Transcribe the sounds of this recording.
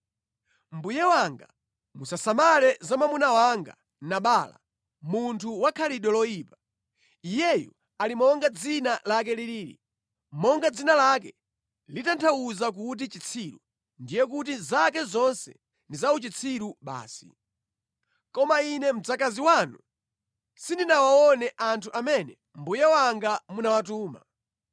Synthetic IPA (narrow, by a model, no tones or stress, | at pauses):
m̩bujɛwaŋɡa̰ | musasamalɛzamamunawaŋɡa̰ | naɓala̰ | muntʰuwakʰaliɗɔlɔjiːpa | ijɛjṵ | alimɔŋɡad͡zinalak̬ɛliliːɾḭ | mɔŋɡad͡zinalak̬ɛ | litantʰauzak̬ut̬it͡ʃit͡sʰiɾṵ | ndijɛk̬ut̬izakɛzɔnsɛ̰ | ndizaut͡ʃit͡sʰiɾuɓa̰ːsḭ | kɔmainɛm̩d͡zakaziwanu | sindinawaɔnɛʔantʰuʔamɛnɛ | mbujɛwaŋɡamunawatuːma̰